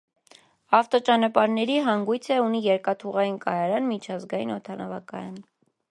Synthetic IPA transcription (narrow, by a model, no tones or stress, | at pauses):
ɑft̪ɔt͡ʃɑnɑpɑɾnɛɾiɦɑŋɡujt͡sʰɛunijɛɾkɑt̪ʰuʁɑjinkɑjɑɾɑnmit͡ʃʰɑzɡɑjinɔt̪ʰɑnɑvɑkɑ̰jɑn